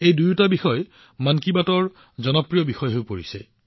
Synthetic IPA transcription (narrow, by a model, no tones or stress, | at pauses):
ejdujutabixɔj | mankibatɔɹ | zɔnɔpɹijɔbixɔjɦojpoɹisɛ